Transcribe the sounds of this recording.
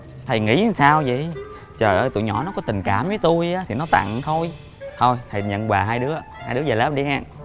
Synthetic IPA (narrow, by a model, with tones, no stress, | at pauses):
t̪ʰə˨˩jŋḭ˧˥˨saː˧wzḭ˧˨j | t͡ɕəː˨˩jʔəː˧jt̪ṵ˧˨jɲɔ˧˩˦nɔ˨˦˥kɔ˨˦t̪ï˨˩ŋ̟kaː˧˩mvəː˨˦jt̪u˧jaː˨˦t̪ʰi˨˩nɔ˨˦t̪a̰˧˨ŋt̪ʰo˧j | t̪ʰo˧jt̪ʰə˨˩jɲə̰˧˨nkwaː˨˩ɦaː˧jɗɨ˨˦əhaː˧jɗɨ˨˦əzəː˨˩laː˦˥p̚ɗi˧haː˧˩n